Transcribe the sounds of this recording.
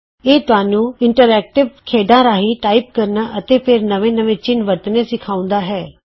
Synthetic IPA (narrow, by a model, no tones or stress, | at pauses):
eːt̪ʊaːnũːɪ̃ɳʈəɾɛːk̚ʈɪʋkʰeːɖãːɾaːɦiʈaːɪp̚kəɾnaːʔət̪eːpʰɪɾnəʋẽːnəʋẽːt͡ʃɪnʋəɾt̪nẽːsɪkʰaːʊ̃nd̪aːɦɛː